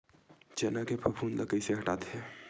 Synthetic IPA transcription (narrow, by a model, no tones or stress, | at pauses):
d͡ʒeːnakepʰəbʰʱuːnləkəjseɦɐʈaːt̪ɦɛː